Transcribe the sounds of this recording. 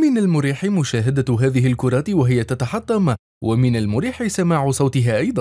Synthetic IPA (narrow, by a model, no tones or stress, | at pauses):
mɪnalmʊɾiːħɪmʊʃaːɦad̪aɦaːðɪɦɪlkʊɾˤɑːt̪waɦɪjat̪at̪ɑħɑt̪ˤːɑm | wamɪnalmʊɾiːħɪsamaːʕʊsˤɑwt̪ɪɦaːʔɑjd̪ˤɑ